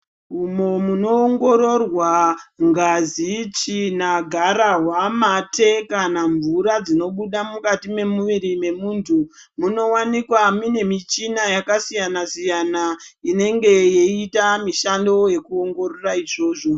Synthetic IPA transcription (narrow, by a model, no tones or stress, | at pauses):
ɦumo̞muno̞ːŋɡo̞ɾo̞rwaŋɡazit͡ʃinaɡʱaɾaɦwamatʰe̞kanaɱvuɾad͡zino̞ɓuɗamukatime̞muʋiɾime̞muːntʰu | muno̞wanikwamine̞mit͡ʃinajakasijanasijanaine̞ŋɡe̞jeitamiʃando̞je̞kuo̞ŋɡo̞roraiʐo̞ːʐo̞